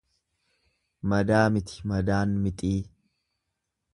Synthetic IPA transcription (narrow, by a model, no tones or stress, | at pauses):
mɐd̪aːmɪt̪ɪ̥mɐd̪aːnmɪt̪ʼiː